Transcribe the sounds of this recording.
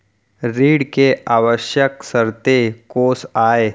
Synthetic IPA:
ɾiːɽkeʔaːʋəʃjəksəɾt̪ekoːsaːe

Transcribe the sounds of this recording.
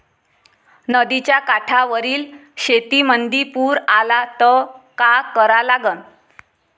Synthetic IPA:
nəd̪it͡ɕjakaʈʰaʋəɾiːlɕet̪imənd̪ipuːɾalat̪əkakəɾalaɡən

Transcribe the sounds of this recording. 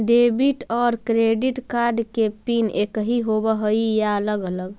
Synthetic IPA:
ɖebiʈɔɾkɾeɖiʈkaɾɖkepinekɦiɦobəɦəijaələɡələɡ

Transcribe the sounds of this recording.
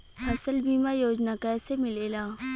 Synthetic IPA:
ɐsəlbiːmajoːd͡ʒnakɛːsemɪleːlaː

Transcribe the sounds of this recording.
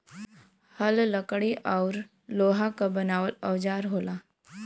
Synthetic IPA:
həlləkɽiʔɔːɾ | loːɦakabənaːʋəlɐʋd͡ʒaːɾɦoːlaː

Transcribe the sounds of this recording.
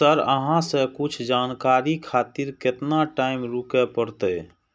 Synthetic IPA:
əɾə̰ɦãsekʊt͡ʃʰd͡ʒaːnkaːɾikʰaːt̪iɾkɪt̪naʈaːɪmɾukepəɽt̪e

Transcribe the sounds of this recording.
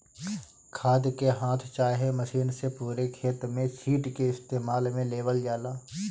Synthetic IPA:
kʰaːd̪keɦãːt̪ʰt͡ʃaːɦemɐʃiːnsepuːɾekʰeːt̪mẽsiːʈkeɪst̪eːmaːlmẽleːʋəld͡ʒaːlaː

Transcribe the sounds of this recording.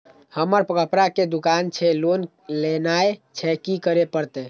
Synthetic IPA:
həməɾpkəpɾaked̪ukant͡ʃʰɛlon | lenaet͡ʃʰɛkikəɾepəɾt̪ɛ

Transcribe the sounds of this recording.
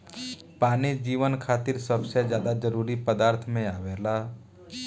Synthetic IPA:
paːnid͡ʒiːʋənkʰaːt̪ɪɾsəbsed͡ʒjaːd̪ad͡ʒəɾuːɾipəd̪aːɾt̪ʰmẽaːʋeːlaː

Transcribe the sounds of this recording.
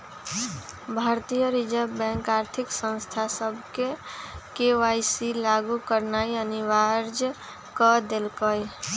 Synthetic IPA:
bʱaɾt̪ijəɾid͡ʒəɾbɛ̃ŋkaɾt̪ʰiksə̃nst̪ʰasəbʱkekeajsilaɡukəɾnaiəniʋaɾd͡ʒ | kɔd̪elkəj

